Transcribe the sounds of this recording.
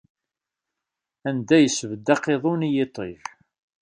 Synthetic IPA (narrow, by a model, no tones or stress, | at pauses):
ænd̪æjəsvəd̪ːɑqeðˤunijet̪ˤːiθ